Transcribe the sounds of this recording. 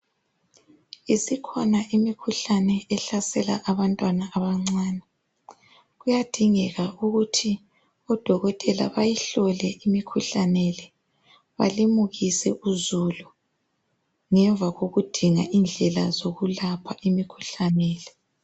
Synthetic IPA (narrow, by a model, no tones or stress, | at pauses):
isikʰɔnaʔimikʰuɬanɛɛɬasɛla̰ʔaβantʼwanaʔːβaŋ͡ǀaːnɛ | ɣujad̥ʱiŋɛɣauɣutʰi | ɔd̥ʱɔɣɔtʼɛla̰βajiɬɔlɛʔimikʰuɬanɛlɛ | βa̰limuɣisɛʔuzulu | ŋɛɱvʱaɣoɣud̥ʱiŋa̰ʔind͡ɮʱɛlazoɣulapʰaʔimikʰu̥ɬanɛːlɛ